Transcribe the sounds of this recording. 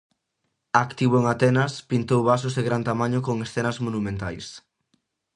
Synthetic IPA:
akt̪iβʊeŋat̪ɛnɐspint̪owβasʊzðeɣɾant̪amaɲʊkoŋesθɛnɐzmonumẽnt̪ajs

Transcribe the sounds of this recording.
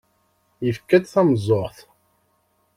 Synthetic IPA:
jəfkːæt̪θæmzˤːoʁθ

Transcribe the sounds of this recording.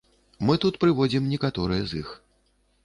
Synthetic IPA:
mɨt̪ut̪pɾɨvɔd͡zʲimnʲɛkat̪ɔɾɨjɛzix

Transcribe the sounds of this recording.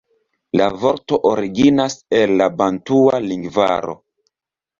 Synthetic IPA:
lavoɾto̞ʔoɾiɡinase̞lːabantualiŋɡva̰ɾo̞̰

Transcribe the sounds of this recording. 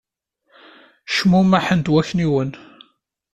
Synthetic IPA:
ʃmumæħənd̪wæçniwən

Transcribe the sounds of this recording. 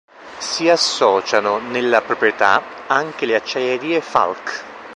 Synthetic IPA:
siasːɔːt͡ʃanonelːapɾopɾjet̪a̰ | aŋk̟eleat͡ʃːajeɾiːefa̰lk

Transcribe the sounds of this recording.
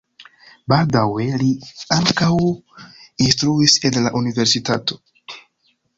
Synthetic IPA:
baldawe̞liaŋkaw | instɾuise̞nlaʔunive̞ɾsitato̞̥

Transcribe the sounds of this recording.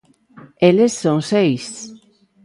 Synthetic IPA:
elesːõŋsejs

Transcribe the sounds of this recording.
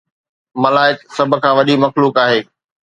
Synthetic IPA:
mɐlaːɪksɐb̆ʱkʰãːʋɐɗimɐxluːkaːɦeː

